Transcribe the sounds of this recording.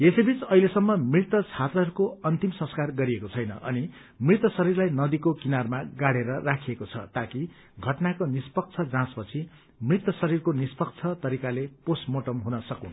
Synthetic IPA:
esebit͡sʌɦilesʌmːʌmrit̪ʌt͡sʰat̪rʌɦʌɾukoʌnt̪imsʌ̃skarɡʌɾiekot͡sʰʌjnʌ̰ʔʌ̰ni | mrit̪ʌsʌɾirlajnʌd̪ikokinarmaɡaɽeɾʌrakʰiekot͡sʰʌ̰t̪aki | ɡʱʌʈnakonispʌk̚t͡sʰʌd͡zãspʌt͡sʰi | mrit̪ʌsʌɾirkonispʌk̚t͡sʰʌt̪ʌɾikaleposmoʈʌmɦunʌsʌkun

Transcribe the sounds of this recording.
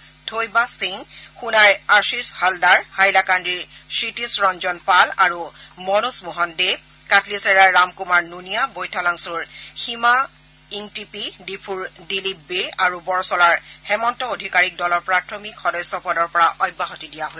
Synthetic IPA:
tʰojbasiŋxunaɹaɹsishaldaɹhajlakandɹiɹsɹitisɹɔnd͡ʒɔnpalaɹumɔnusmuɦɔnde | katʰlisɛɹaɹːamkumaɹnunijabojtʰalaŋsuɹhima | iŋtipidipʰuɹdilibeaɹubɔɹsɔlaɹhɛmɔntɔodʱikaɹik̚dɔlɔɹpɹatʰɔmikxɔdɔjsɔpɔdɔɹpɔɹaʔɔjbːaɦotidijaɦo

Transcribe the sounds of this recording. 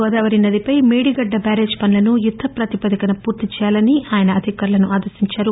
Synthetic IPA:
ɔːd̪aːʋɐɾinɐd̪ipɐjmeːɽiɡɐɖːɐbaːɾe̞ːd͡ʒpɐnlɐnujud̪ʱːɐpɾɐt̪ipɐd̪ɐkɐnɐpuːɾt̪it͡ʃɛːjaːlɐniʔaːjɐnɐːd̪ʱikaːɾlɐnuʔaːd̪ɐɾsiɲt͡ʃaːɾu

